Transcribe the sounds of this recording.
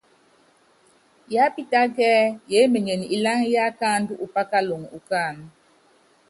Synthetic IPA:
ja˦pi˦ta˦ɡɛː˦je˨˦me˨ɲe˨ni˨la˦ŋja˦ka˦˨n˦du˦ʔu˨pa˦ka˦lo˨ŋu˨ka˦˨n

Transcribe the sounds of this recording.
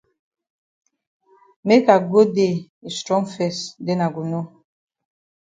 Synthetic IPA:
me˦ka˨ɡo˦de˦˨ | i˨stɾɔ̃˦ŋfɛ˦˨sde˦na˨ɡu˨no˦

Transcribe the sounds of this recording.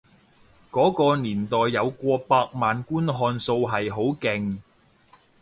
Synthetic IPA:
kɔː˨˥kɔː˧niː˨˩nt̪ɔː˨jːɐ˨˧wkʷɔː˧paː˧k̚maː˨nkuː˥nɦɔː˧nso˧wɦɐ˨jɦo˨˥wkɪ˨˩ŋ

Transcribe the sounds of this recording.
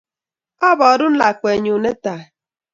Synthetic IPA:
ɔ˦bɔː˨ɾu˦n̩˦la˨kʷe˨ɲu˨ne˦ta˨

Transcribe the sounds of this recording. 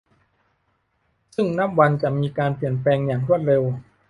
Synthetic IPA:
sɯ˥˩ŋna˦˥p̚wa˧nt͡ɕa˨˩miː˧kaː˧npi˨˩ənplɛː˧ŋjaː˨˩ŋɾu˥˩ət̪̚ɾe˧w

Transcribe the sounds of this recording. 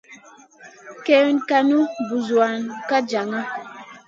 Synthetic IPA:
kɛ˦nka˨nu˦bu˨zu˨a˨nka˦d͡ʒa˨ŋa˦

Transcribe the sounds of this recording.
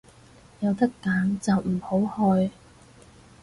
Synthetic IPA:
jɐ˨˧wt̪ɐ˥kːaː˨˥nt͡sɐ˨wm̩˨˩ho˨˥whɔː˧j

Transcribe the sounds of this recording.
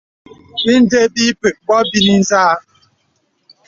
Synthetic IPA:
bi˦n̩˦de˦bi˦pe˨k̚bɔ˦bi˦ni˦n̩˦zaː˦

